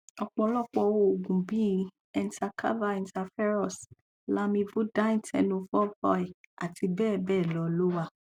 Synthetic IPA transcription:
ɔ˨k͡pɔ˧˦lɔ˦˨k͡pɔ˧˨wo˦o˨ɡũ˨bi˦ | ɛ̃˧n˦ta˧kʰa̰˦va˦˧ɛ̃˧nta˧fɛ˦ɾɔ˦˨s | la˦mĩ˧vu˦da˦ĩ˦˨tɛ̰˨nõ˧fɔ˦fɔ˧˦ɛ˨a˨ti˧bɛː˦˨bɛː˦˨lɔ˨˦˧lo˦wa˦˨

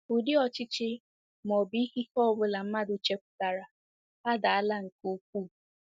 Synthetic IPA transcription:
ʊ˨dɪ˦ɔ˨t͡ʃɪ˦t͡ʃɪ˦ | m˨ɔ˨bi˦hi˦hɔ˦bʊ˦la˨m̩˦ma˦dʊ˨t͡ʃe˦kʷʊ̥˦ta˨ɾa˨ | a˦da˨a˦la˦ŋ̩˨ku˦k̚ʷuː˦˨

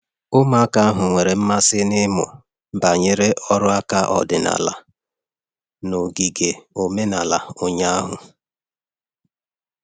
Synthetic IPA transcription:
ʊ˦ma˦ka˦a˦ɦʊ˨ŋʷe˨ɾe˨m̩˦ma˦sɪ˦nɪ˦mʊ̰˨ | ba˨ɲe˨ɾe˦ʔɔ˦ɾʊ˦a˦ka˦ʔɔ̰˨dɪ˨na̰˨la̰˨ | no˨ɡi˨ɡe˨o˨me˦na˨la˨ʊ˨ɲa˦a˦ɦʊ˨

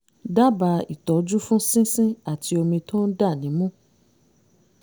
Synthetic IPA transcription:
da˦ba˧i˨tɔ˨˦d͡ʒu˦fũ˦sĩ˦sĩ˦a˦˨ti˧o˧mĩ˧to˦n̩˦da˦˨nĩ˨˦mũ˦

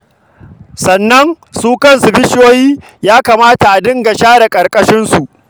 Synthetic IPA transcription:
sɐ˨nːɐ˦ŋ | suː˦kɐ˦nsu˨bɪ˦ʃoː˦jiː˦ | jaː˦kaː˨maː˦ta˨ʔa˨dɪ˦ŋɡa˨ʃaː˦da˨kʼɐ˨ɾkʼɐ˦ʃɪ˦nsu˨ʔ

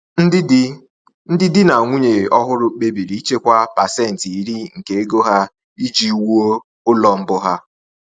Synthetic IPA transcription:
n̩˦dɪ˦d | n̩˦dɪ˦dɪ˦na˨ŋʷu˦ɲe˨ɔ˦ɦʊ˦ɾʊ˦k͡pe˦bi˨ɾi˨˦i˦t͡ʃe˦kʷa˦pa˨sɛ˦˨n̩˨ti˨i˦ɾi˦ŋ̩˨ke˨e˦ɡo˦ɦa˦ | i˦d͡ʒi˦wu˦o˦ | ʊ˦lɔ˨m̩˦bʊ˦ɦa˦

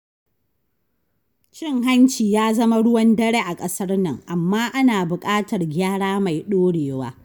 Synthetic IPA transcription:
t͡ʃɪ˦ŋɦa˦nt͡ʃiː˨jaː˦zɐ˦ma˦ɽʊ˦wɐ˦ndɐ˦ɽeː˦ʔa˨kʼɐ˦sɐ˦rnɐ̰˨ŋʔa˨mːaː˦ʔa˦naː˨bʊ˨kʼaː˦tɐ˨rɡʲaː˦ɽaː˦ma˨jɗoː˦ɽeː˨wa̰ː˦

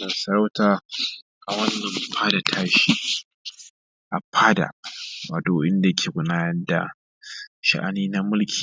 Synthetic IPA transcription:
nɐ˨nsɐ˨ɾa˦wtaː˨ | ʔa˨wɐ˦nːɐ˨mpʰaː˦da˨tʰaː˦ʃiː˦ | ʔa˨pʰaː˦da̰˨ba˨doː˨˦ʔɪ˦nda˨jkʰʲeː˨ɡʷʊ˨naː˦jɐ˦rda̰˨ | ʃa̰˨ʔa̰˨niː˦na˦mʊ˦lkʲʰi̥ː˨

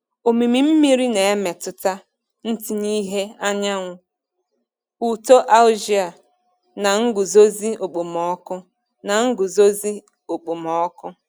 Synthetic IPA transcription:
o˨mi˨mi˨m̩˦mi˦ɾi˦ne˨e˦me˨tʊ˨ta˦ | n̩˦ti˦ni˦ɦe˦a˦ɲa˦ŋʷʊ˨ | u˨to˦ʔa˦ld͡ʒi˦a˨ | na˨ŋ̩˦ɡʊ˨zo˦zi˦o˨k͡po˨mɔ˦kʊ˦ | na˨ŋ̩˦ɡʊ˨zo˦zi˦ | o˨k͡po˨mɔ˦kʊ˦

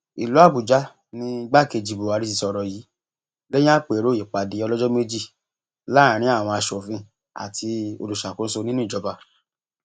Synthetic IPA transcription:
i˨lu˨˦a˦˨bu˨d͡ʒa˦ | nĩ˧˦˧ɡ͡ba˦˨ke˧d͡ʒi˨˧bu˨a˨˧˦ɾi˦si˧sɔ˧ɾɔ˧ji˨˦ | ɡe˦j̃ã˦k͡pe˨ɾo˨˦i˨k͡pa˨di˨˦ɔ˧lɔ˦d͡ʒɔ˦me˦d͡ʒi˦˨ | la˦˨ɾ̃ĩ˨˦a˦˨w̃ɔ̃˧a˧ʃɔ˨fĩ˧ | a̰˨ti˧o̰˧lu˨ʃa˨kũ˨˦so˧nĩ˦nũ˦i˦˨d͡ʒɔ˨˦ba˧

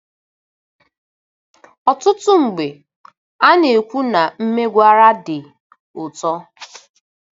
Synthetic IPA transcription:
ɔ˨tʊ˦tʊ˦ŋ͡m̩˨ɡ͡be˨ | a˦ne˨kʷu˦na˨m̩˦me˦ɡʷa˦ɾa˦dɪ˨ | ʊ˨tɔ˦

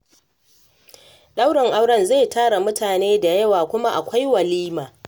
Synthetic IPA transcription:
ɗa˦wɽɐ˨ŋʔa˦wɽɐ˦nze˦˨taː˦ɽa˨mʊ˦taː˨neː˦da˨jɐ˦waː˨kʷʊ˦ma˦ʔa̰˨kʷa˦jwɐ˨liː˦maː˨

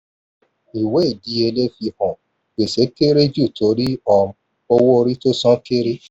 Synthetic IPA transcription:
i˨we˨˦˨di˨˦e˧le˦fi˧hɔ̃˨ | we˨se˨˦ke˦ɾe˦d͡ʒu˦˨to˨˦ɾi˦ɔ˧m̩˦ | o˧wo˦o˧ɾi˦to˦sã˦ke˦ɾe˦

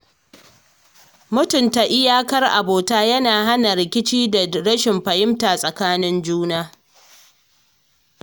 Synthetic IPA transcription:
mʊ˦tʊ˨nta˨ʔɪ˦jaː˦kɐ˦rʔa̰˨boː˨taː˦jɐ˦naː˨ɦa˦na˨ɾɪ˨kʲɪ˦t͡ʃiː˦da˨ɽɐ˦ʃɪ˨mɸɐ˨jɪ˦mta˨sʼɐ˨kaː˦nɪ˦nd͡ʒuː˦naː˦

